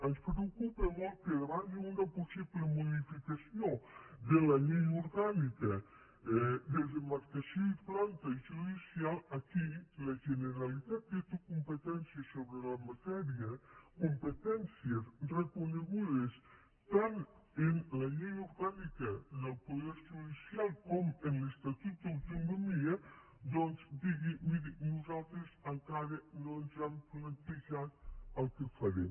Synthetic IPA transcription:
ənspɾeokupemolˠt̪̚keðβanund̪ɐposiβlemuðifikasjod̪elɐʎejuɾɣanikɐ | ɛd̪ezemaɾkasjoiplant̪ɐiʒuðisialɐkilɐʒeneɾalit̪at̪̚d̪et̪ukumpet̪ɛnsjesoβɾelɐmat̪ɛɾiɐkumpet̪ɛnsjesrəkuneɣuðes | t̪anenlɐʎejuɾɣanikəðəlˠpoðɛɾʒuðisialˠkɔmenləst̪at̪ut̪̚d̪awt̪unomiə | d̪ɔnzd̪iɣimiðinuzalˠt̪ɾezəŋkaɾənonzamplant̪iʒat̪̚əlˠkəfɐɾem

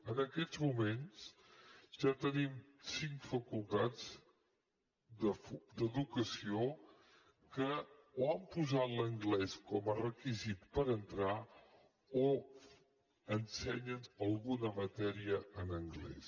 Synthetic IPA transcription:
ənəkɛzmumens | ʒat̪ənimsiŋkfəkulˠt̪ad͡z | d̪əfd̪əðukəsio | kəoampuzat̪ləŋɡlɛskɔmərəkizit̪pəɾənt̪ɾa | o | ənsɛɲənəlˠɣunəmət̪ɛɾiəənəŋɡlɛ̰s

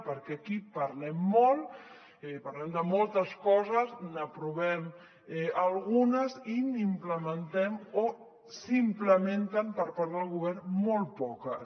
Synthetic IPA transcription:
pəɾkɛakipəɾlɛmːɔlˠ | ɛpɐɾlɛmd̪əmɔlˠt̪əskɔzəznəpɾuβɛm | ɛəlˠɣunəzinimpləmənt̪ɛmo | simpləment̪əmpəɾpaɾðəlˠɣuβɛrmɔlˠtpɔkə

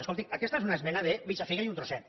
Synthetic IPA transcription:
skolˠt̪ikɐkɛst̪aezunaezmɛnaðeβit͡ʃafiɣaiunt̪ɾosɛt̪

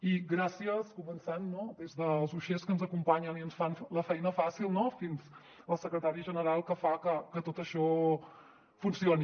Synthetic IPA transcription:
iɣɾasiəskumənsanːod̪ezðəlˠzuʃeskənzəkumpaɲəniənsfanləfɛjnəfasilˠnɔfinz | əlˠsəkɾət̪aɾiʒənəɾalˠkəfakəkət̪ot̪əʃɔ | funsioni

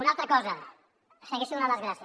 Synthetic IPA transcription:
unalˠt̪ɾakɔza | seɣeʃiðunalazɣɾasj

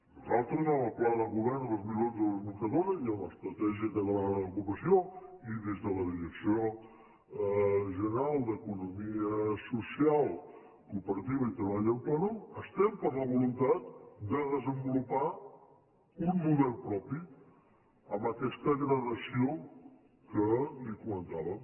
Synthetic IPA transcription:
nuzalˠt̪ɾəzəməlˠplaðəlˠɣuβɛrnðəlˠzmilonzðələzmuɾkəðoɾəziələ̰st̪ɾət̪ɛʒiəkəðələkupəsioiðezðələðiɾəksio | ʒənəɾalˠd̪əkunumiəsusialˠ | kuːpəɾət̪iβəit̪ɾəβaʎəlplanuəst̪ɛmpəɾləβ̞ulunt̪at̪̚d̪əðəzəmbulupa | unmuðɛlˠpɾɔpi | əmbəkɛst̪əɣɾəðəsio | kəlikumənt̪aβə

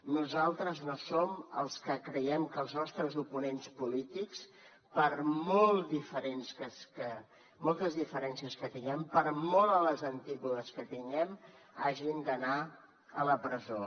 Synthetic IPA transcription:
nuzalˠt̪ɾəznosomə̰lˠskəkɾəɛmkəːlˠznɔst̪ɾəzupunenspulit̪iks | pəɾmolˠd̪ifəɾensəskə | mɔlˠt̪əzðifəɾɛnsiəskət̪iŋɡɛmpəɾmɔlˠələzənt̪ipuðəskət̪iŋɡɛm | aʒind̪əna | ələpɾəzo

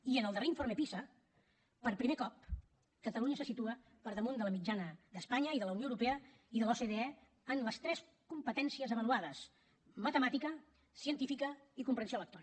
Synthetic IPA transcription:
iənəlˠd̪əɾreiɱfoɾmepisə | pəɾpɾimekɔp̚ | kət̪əluɲəsəsit̪uə | pəɾðəmund̪ələmid͡ʒanəðəspaɲəiðələunioəwɾupeə | iðəlɔseðeɛ | ənləst̪ɾɛs | kumpət̪ɛnsiəzəβəluaðəs | mət̪əmat̪ikə | siənt̪ifikəikumpɾənsioələkt̪ɔni

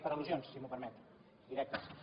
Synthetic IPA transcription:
pəɾɐəluzjonsːimupəɾmɛt̪u̥ | d̪iɾɛk̚t̪ə

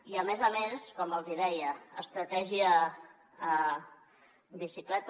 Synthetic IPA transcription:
iəmezəmeskɔməlˠziðɛjəːst̪ɾət̪ɛʒiə | bisiklɛt̪

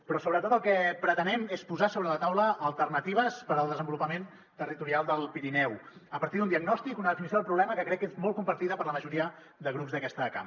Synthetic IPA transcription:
pɾɔsoβɾət̪ot̪əlˠkɛpɾət̪ənɛmespuzasoβɾələt̪awləːlˠt̪ərnət̪iβ̞əspəɾəlˠd̪əzəmbulupəmen | t̪ərit̪uɾialˠd̪əlˠpiɾinɛwəpəɾt̪iðund̪iəɡnɔst̪ikunəðəfinis̬oðəlˠpɾuβlɛməkəkɾɛkːezmɔlˠkumpəɾt̪iðəpəɾləməʒuɾiə | d̪əɣ̞ɾupzðəkɛst̪əka̰m

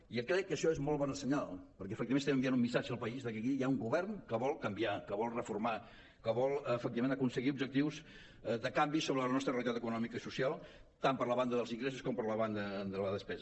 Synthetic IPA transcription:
iəkɾɛkːəʃɔezmɔlˠβɔnəsəɲalˠpəɾkɛəfək̚t̪imenst̪ɛməmbianumːisad͡ʒəːlˠpəizðəkikijauŋɡuβɛrnkəβɔlˠkəmbiakəβɔlˠrəfuɾma | kəβɔlˠəfək̚t̪iβəmenəkunsəɣiub̚ʒək̚t̪iwz | d̪əkambisoβɾələnɔst̪ɾərelit̪at̪əkunɔmikəisusialˠt̪ampəɾləβand̪əðəlˠziŋɡɾesuskɔmpəɾləβand̪əd̪ələðəspɛz

